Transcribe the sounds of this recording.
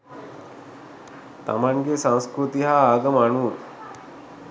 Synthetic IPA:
t̪a̰manɡesãw̃skɾut̪iɦaːɡəmanuː

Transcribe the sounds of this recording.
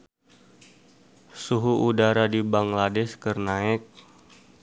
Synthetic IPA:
suɦuʔudaɾadibaŋladɛskərnaɛk̚

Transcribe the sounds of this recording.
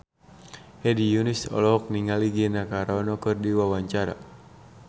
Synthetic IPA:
hɛdijunisɔ̰lɔɦɔk̚niŋaliɡinakaɾɔnɔkɨrdiwawaɲt͡ʃaɾa̰

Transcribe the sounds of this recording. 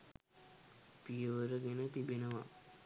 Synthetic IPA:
pijəʋəɾəɡenət̪ibenəʋa

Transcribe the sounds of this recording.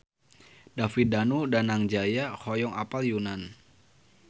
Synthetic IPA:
dafidanudanaŋd͡ʒajahɔjɔŋapaljunan

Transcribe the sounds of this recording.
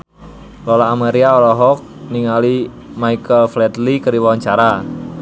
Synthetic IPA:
lɔlaːmeɾiaɔlɔɦɔk̚niŋali | maikəlflɛt̪likəɾiwawaɲt͡ʃaɾa

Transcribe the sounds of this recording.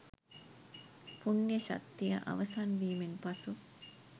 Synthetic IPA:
punjəʃa̰kt̪ːijə̰ʔa̰ʋɐsanʋiːmenpasu

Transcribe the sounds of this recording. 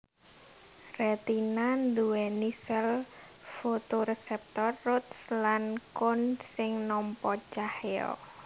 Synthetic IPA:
rɛt̪inand̪uwɛnisɛl | fot̪oɾesɛp̚t̪ɔrːʊt̪̚slankʊnsɪŋnɔmpɔt͡ʃaheɔ̰

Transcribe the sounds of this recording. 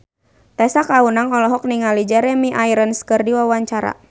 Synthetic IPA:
t̪ɛsakaunaŋɔlɔɦɔk̚niŋalid͡ʒɛɾɛmiʔaiɾənskɨrdiwawaɲt͡ʃaɾa̰

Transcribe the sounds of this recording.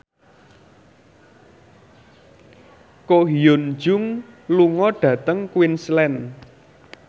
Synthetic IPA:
koɦiond͡ʒʊŋluŋɔɖ̥ä̤t̪əŋkwinslɛn

